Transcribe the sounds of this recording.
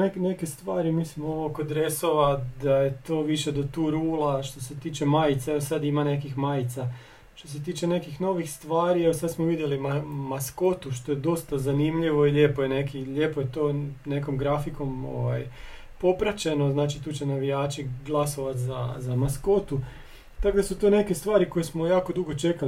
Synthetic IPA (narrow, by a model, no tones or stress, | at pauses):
nekne̞ke̞st̪ʋaːɾimiːsmooʋokod̪ɾe̞so̞ʋad̪aje̞t̪o̞ːʋiʃe̞d̪ot̪uːɾuːlaʃt̪o̞se̞t̪iːt͡ʃe̞maːjit̪saeʋosad̪imane̞kixmajit̪sa | ʃt̪o̞s̬e̞t̪iːt͡ʃe̞ne̞kixno̞ʋixst̪ʋaːɾieʋosad̪smoʋid̪jelimamasko̞t̪uʃt̪o̞jed̪o̞st̪azanimʎiʋo̞iʎe̞ːpojene̞kiʎe̞ːpojet̪o̞ːneko̞mɡɾafiko̞mo̞̰ʋaj | po̞pɾat͡ɕe̞no̞znaːt͡ʃit̪uːt͡ɕenaʋijaːt͡ʃiɡlˠaso̞ʋat̪zazamasko̞t̪u | t̪akod̪asut̪oːne̞ke̞st̪ʋaːɾiko̞jesmojaːko̞d̪uɡo̞t͡ʃe̞kal